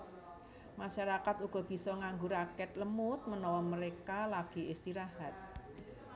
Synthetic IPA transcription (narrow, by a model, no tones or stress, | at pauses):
maʃaɾakat̪uɡ̥ɔ̤b̥i̤sɔŋaŋɡuɾakɛt̪̚ləmʊt̪̚mənɔwɔməɾekalaɡ̥i̤ɪst̪iɾahat̪̚